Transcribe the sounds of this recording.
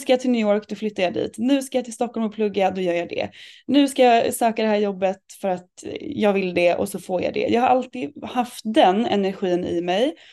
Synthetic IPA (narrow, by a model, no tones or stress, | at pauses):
skajɑːt̪ʰɪlnʏːɔɾkd̪ɔflʏt̪ːajɑːd̪ḭːt̪nʉ̟ːskajɑt̪ʰɪlst̪ɔkːɔlmɔpʰlɵɡːad̪ɔjœːɾjɑd̪ɛ̰nʉ̟ːskajɑsøːkad̪ɛhæːɾjɔbːət̪fœɾat̪jɑːɡvɪld̪ɛʔɔ̰sɔfoːɾjɑ̰d̪ɛ̰jɑːɡhaɾʔalt̪iːhaft̪̚d̪ɛnɛ̰næɾɧiːnɪ̰mɛj